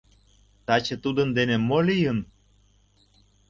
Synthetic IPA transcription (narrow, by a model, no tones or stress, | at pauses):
t̪ɑt͡ɕet̪ud̪ənd̪enemolijən